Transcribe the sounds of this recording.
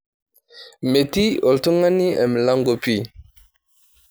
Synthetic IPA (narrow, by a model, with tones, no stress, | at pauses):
me˨ti˦o˨ltu˦ŋa˦ni˦e˨m˨la˦ŋɡo˨pi˦˨